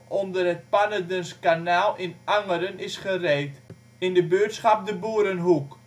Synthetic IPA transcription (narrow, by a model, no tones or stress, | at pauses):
ɔndərɦət̚panədənskanaːlˠɪnʔaŋəɾənɪsχərejt | ɪndəbøːtsχɑp̚dəbuəɾənɦuk